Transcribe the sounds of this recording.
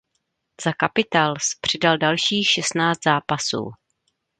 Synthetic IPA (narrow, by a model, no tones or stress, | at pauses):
z̥akapɪt̪aːlspr̝̥ɪdaldalʃiːxʃɛst̪naːt͡st̪zaːpasṵː